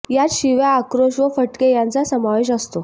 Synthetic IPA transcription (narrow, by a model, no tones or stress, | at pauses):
jat̪ɕiʋjaːkɾoɕʋəfəʈkejant͡sasəmaʋeɕ̬əst̪o